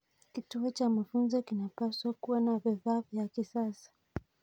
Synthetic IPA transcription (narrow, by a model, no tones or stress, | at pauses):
kituɔt͡ʃamafunzɔkinapaswakuwanaviðaːvjakisasḁ